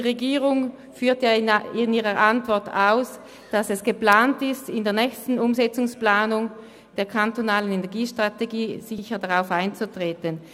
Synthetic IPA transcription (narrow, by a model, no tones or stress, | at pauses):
d̥iʁeɡiːʁʊŋ | fyːɐtjaɪniːʁəʔantv̥ɔɐtʰa̰ʊs | d̥asɛsɡ̥əpl̥aːntɪstɪndeːɐnɛçstn̩ʊmzɛt͡sʊŋsplaːnʊŋ | d̥eːɐkʰantonaːlənenɛɐɡiːʃtʁ̥ateɡiːz̥ɪçədaʁaʊfaɪnt͡sutʁ̥eːtən